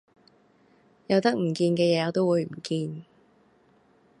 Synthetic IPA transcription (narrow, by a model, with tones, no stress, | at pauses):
jɐ˨˧wt̪ɐ˥k̚m̩˨˩kiː˧nkɛː˧jɛː˨˧jɔː˨˧t̪o˥wuː˨˧jm̩˨˩kiː˧n